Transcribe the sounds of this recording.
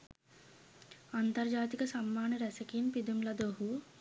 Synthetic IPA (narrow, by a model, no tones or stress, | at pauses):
ɐnt̪ɐɾd͡ʒaːt̪ikɐsɐmːaːnɐɾɛsɐkinpid̪umlɐd̪oɦu